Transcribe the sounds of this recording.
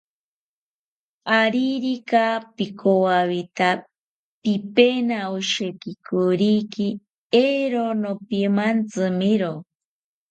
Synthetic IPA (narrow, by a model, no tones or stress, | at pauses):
aɾiɾikapikʰowaβit̪a | pipenaoʃekikuɾiki | eɾonopimant͡sɨmiɾo